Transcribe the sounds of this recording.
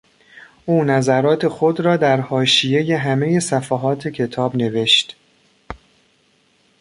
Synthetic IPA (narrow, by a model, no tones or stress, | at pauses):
ʔuːnæzæɾɒːt̪ʰe̞xo̞d̪ɾɒːd̪æɾhɒːʃije̞je̞ɦæme̞je̞sæfæɦɒːt̪ʰe̞cʰe̞t̪ʰɒːbne̞ve̞ʃt̪